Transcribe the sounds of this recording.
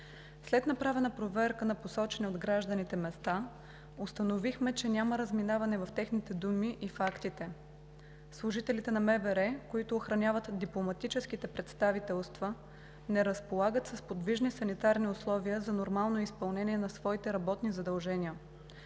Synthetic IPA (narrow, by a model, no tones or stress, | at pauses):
slɛt̪nɐpɾavɛnəpɾovɛɾkənɐposɔt͡ʃɛnɛod̪ɡɾaʒd̪ənit̪ɛmɛst̪a | ʊst̪ənovixmɛt͡ʃɛnʲaməɾəzminavɐnɛvɐft̪ɛxnit̪ɛd̪umiʔifakt̪it̪ɛ | slˠʊʒit̪ɛlit̪ɛnɐmɛbɛɾɛkoit̪ʊːxɾɐnʲavət̪d̪iplˠomɐt̪it͡ʃɛskit̪ɛpɾɛt̪st̪avit̪ɛlˠst̪və | nɛɾəspolˠaɡət̪səspod̪viʒnisɐnit̪aɾniʊslˠɔviəzɐnoɾmalˠnoispɐlˠnɛnʲiɛnɐsvɔit̪ɛɾɐbɔt̪nizɐd̪ɐlˠʒɛnʲiə